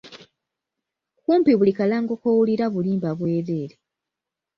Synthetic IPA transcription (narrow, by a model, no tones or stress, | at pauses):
kuːmpiβulikalaːŋɡokowuliɾaβuliːmbaβwe̞ːɾe̞ːɾe